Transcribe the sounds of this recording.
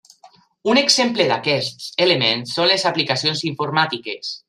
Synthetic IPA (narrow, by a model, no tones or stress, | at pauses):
uneɡz̥empleðakɛst̪elemẽnsonlezaplikasionziɱfoɾmat̪ikes